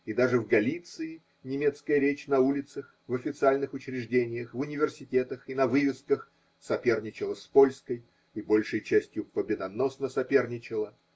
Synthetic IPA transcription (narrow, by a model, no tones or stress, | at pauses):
id̪aʐɨvɡɐlʲit̪sɨɪ | nʲɪmʲe̞t̪skəjəɾʲet͡ɕnɐulʲɪt̪səx | vɐfʲɪt̪sɨalʲnɨxʊt͡ɕɾʲɪʐdʲenʲɪjəxvʊnʲɪvʲɪrsʲɪtʲe̞t̪əxinɐvɨvʲɪskəx | sɐpʲe̞rnʲɪt͡ɕɪlˠəspo̞lʲskəj | ɪbo̞lʲʂɨjt͡ɕæsʲtʲjʊpəbʲɪd̪ɐno̞snəsɐpʲe̞rnʲɪt͡ɕɪlˠə